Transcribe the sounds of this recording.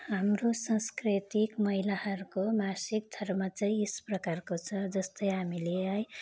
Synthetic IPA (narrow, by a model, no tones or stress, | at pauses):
ɦamrosãskrit̪ikmʌɦilahʌɾukomasik̚d̪ʱʌrmʌt͡sʌj̃esprʌkarkot͡sʰʌd͡zʌst̪ʌjɦamileaj